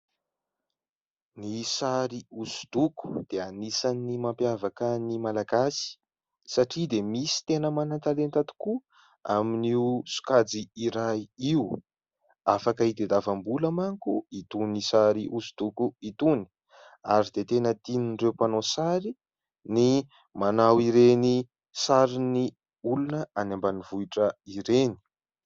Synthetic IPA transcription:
nisaɾiusu̥d̪̥uku̥d̪̥eanisanːimampjavakənimalaɡasi̥ | saʈ͡ʂid̪emisi̥t̪enəmanant̪alent̪at̪u̥ku | a̰miniusu̥kad͡ziiɾajiiu | afakəid̪ed̪avambuləmaŋkuit̪unisaɾiʔuzu̥t̪ukuit̪uni̥ | aɾid̪et̪enət̪ininɖ͡ʐewpanosaɾi | ni | manawiɾeni | saɾini | ulunəanambanivuiʈ͡ʂəiɾeni̥

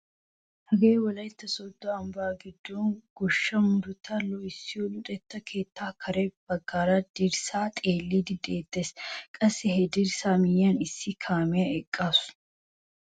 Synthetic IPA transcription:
hɐɡeːwɔlɐjt̪ːɐsɔd̪ːɔɐmbaːɡɪd̪ːɔnɡ̥ɔʃːɐmʊɾʊt̪ʰɐlɔɪsːɪɔlʊᶑ̪ʼɛt̪ːɐkʰe̞ːt̪ʰːaːkʰɐɾɛb̥ɐɡːaːɾad̪ɪɾsaːt̪ʼeːlːid̪ɪd̪eːt̪ːeːskʼɐsːɛhɛd̪ɪɾsaːmɪjːɐnɪsːɪkʰaːmɪjɐɛkʼːaːsʊ̥

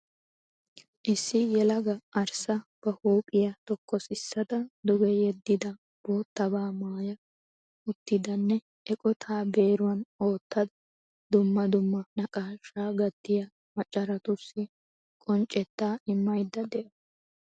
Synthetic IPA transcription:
ʔɪsːɪjɛlɐɡɐɐɾsɐb̥ɐhuːpʼɪjɐt̪ɔkːɔsɪsːɐd̪ɐd̪ʊɡɛjɛd̪ːɪd̪ɐ | b̥oːt̪ːɐbaːmaːjɐ | ʊt̪ːɪd̪ɐnːɛ | ʔɛkʼɔt̪ʰaːbeːɾʊwɐno̞ːt̪ʰːɐd̪ɐ | d̪ʊmːɐd̪ʊmːɐnɐkʼaːʃaːɡɐt̪ːɪjɐ | mɐt͡ʃʼːɐɾɐt̪ʊsːɪ | kʼɔnt͡ʃʼɛt̪ːaːɪmːɐjd̪ːɐd̪ɛʔɐ

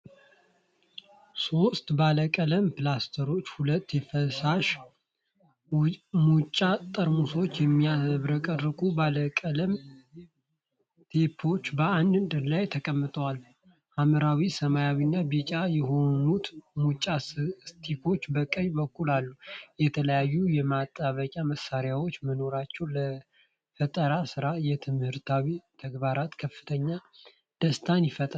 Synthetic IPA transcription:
so̞st̪baləkʼələmpɨlast̪ʰəɾo̞t͡ʃːhulət̪ːefəsaʃ | mut͡ʃʼːat̪ʼəɾmuso̞t͡ʃːjɛmːijaβɾəkʼəɾɾɨkʼubaləkʼələm | t̪ʰepʰo̞t͡ʃːbəand̪ɨnd̪ɨlajt̪ʰəkʼəmːɨt̪ʼəwal | ʔaməɾawisəmajawinːabit͡ʃʼajɛɦo̞nut̪mut͡ʃʼasst̪ʰikʰo̞t͡ʃːbəkʼːəɲbəkʰːulalːujɛt̪ʰələjajːujɛmat̪ʼːaβəkʼaməsːaɾjawo̞t͡ʃːməno̞ɾat͡ʃːɛwlə | fət̪ʼəɾasɨɾajɛt̪ʰɨmhɨɾt̪ʰawit̪ʰəɡbaɾat̪kʰəfːɨ̥t̪ʰəɲːa | d̪̥əst̪ʰanjɪfət̪ʼa

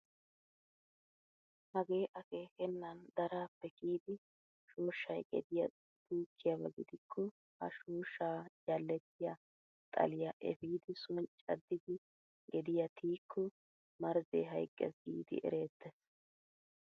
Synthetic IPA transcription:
hɐɡe̞ːʔɐke̞ːkɛnːɐnd̪ɐɾaːpːɛkiːd̪ɪ | ʃuːʃːɐjɡɛ̰d̪ɪjɐ | d̪̥uːkʰːɪjɐbɐɡɪd̪ɪkʰːɔ | hɐ̰ʃuːʃːaːd͡ʒɐlːɛt̪ːɪjɐ | t̪ʼɐ̰lɪjɐʔɛ̰fiːd̪ɪsʊnt͡ʃʼɐ̰d̪ːɪd̪ɪ | ɡɛd̪ɪjɐt̪ʰiːkʰːɔ | mɐɾzḛːɦɐ̰jkʼːɛ̰sɡḭːd̪ɪ̰ʔɛ̰ɾe̞ːt̪ːɛs

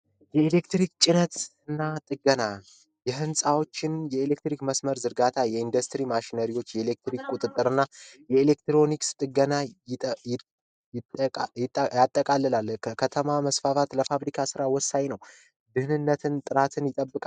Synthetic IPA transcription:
jɛele̞kt̪ɾikt͡ʃʼɪnət̪ɨnːat̪ʼɨɡəna | jɛɦɨnsʼawo̞t͡ʃːɪnjɛele̞k̚t̪ɾikməsməɾzɨɾɡat̪ʰajɛind̪əst̪ɾimaʃinəɾiwo̞t͡ʃːjɛele̞k̚t̪ɾikkʼut̪ʼɨt̪ʼːɨɾɨnːajɛele̞kt̪ɾo̞nikst̪ʼɨɡənaj̪ʼ | ɪjɪt̪ʼːjat̪ʼːəkʼalːɨlalkʰəkʰət̪ʰəmaməsfafat̪ləfaβɾikʰasɨɾawɔsːajnəw | d̪ɨhnɨnːət̪ʰɨnt̪ʼɨɾat̪ʰɨnjɪt̪ʼəbːɨkʼa

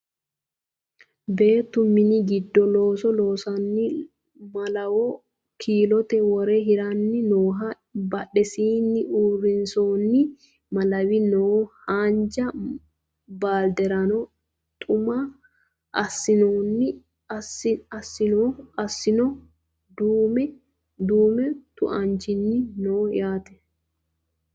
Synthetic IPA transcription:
be̞ːt̪ːʊmɪnɪɡɪd̪ːɔlo̞ːsɔlo̞ːsɐnːɪ | mɐlɐwɔ | kʰiːlɔt̪ɛwɔɾɛɦɪɾɐnːɪnoːɦɐ | bɐᶑɛsiːnːɪʔuːrːɪnsoːnːɪ | mɐlɐwɪnohaːnd͡ʒɐ | baːld̪ɛɾɐnɔ | t̪ʼʊma | ʔɐsːɪnoːnːɪ | ɐɐsːɪnoɐsːɪnɔ | d̪uːmɛ | d̪uːmɛt̪ʊ̰ʔɐnt͡ʃɪnːɪnoːjaːt̪ɛ̥

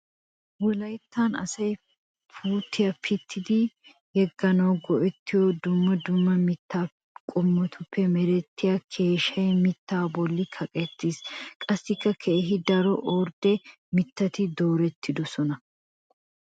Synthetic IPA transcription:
wɔlɐjt̪ːanɐ̰sɐj | puːt̪ːɪjɐpʰɪt̪ːɪd̪ɪ | hɛɡːɐnɐwɡɔʔɛt̪ːɪjɔd̪ʊmːɐd̪ʊmːɐmɪt̪ːaː | kʼʊmːɔt̪ʰʊpːɛmɛɾɛt̪ʰːɪjakʰe̞ːʃɐjmɪt̪ːaːbɔlːɪkʰɐkʼɛt̪ːiskʼɐsːɪkːɐkʰeːɦɪd̪ɐɾɔʔɔɾd̪ɛ | mɪt̪ːɐt̪ɪd̪oːɾɛt̪ʰːɪd̪ɔsɔnɐ

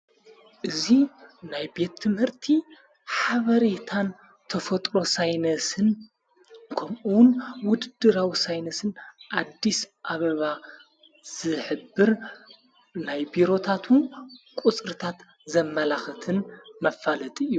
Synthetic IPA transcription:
ʔɨzinajbe̞t̪ʰːɨmhɨɾt̪ʰi | ħaβɐɾet̪ʰan | t̪ʰɐfɐt̪ʼɾo̞sajnɐsɨn | kʰɐmʔuwnwʊd̪ɨd̪ɨɾawisajnɐsɨnʔad̪ːisʔaβɐβa | z̥ɨħɨbːɨɾ | najbiɾo̞t̪ʰat̪ʰunkʷʼut͡sʼɾɨt̪ʰat̪ | zɐmːɐlaxɨt̪ʰɨnmɐfalɐt̪ʼijːu

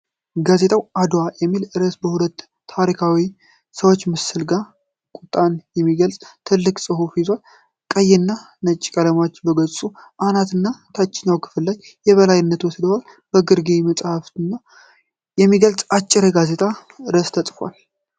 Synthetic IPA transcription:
ɡaze̞t̪ʰʼawad̪wajɛmːilɨɾəsbəhulət̪ːʰ | aɾikʰawi | səwot͡ʃːmɨsɨlɡa | kʼʊt̪ʼːanjɛmːiɡəlsʼt̪ʰɨlːɨkʼsʼɨhufizal | kʼəjːɪnːa | nət͡ʃʼːi̥kʼələmat͡ʃːbəɡəsʼuʔanat̪ɨnːat̪ʰat͡ʃːɪnəwkʰɨ̥fɨlːajːɛβəlajɪnːət̪wɔsd̪əwal | bəɡɨɾɡeməsʼhaft̪ɨnːa | jɛmːiɡəlsʼat͡ʃʼːɪɾəɡaze̞t̪ʰʼaɨɾəst̪ʰəsʼfwa̰l

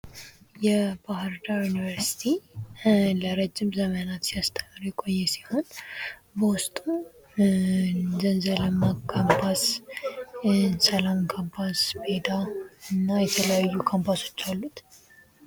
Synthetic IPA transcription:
jɛbaɦɨɾd̪ajunivəɾsi̥t̪ʰi | ləɾəd͡ʒːɪmzəmənat̪sijast̪ʰəməɾjɛkʼo̞jːɛsiho̞nbəwʊst̪ʼu | zənzələmːakʰampʰas | səlamkʰampʰasbed̪aɨnːajɛt̪ʰələjajːukʰampʰaso̞̥t͡ʃːalːut̪

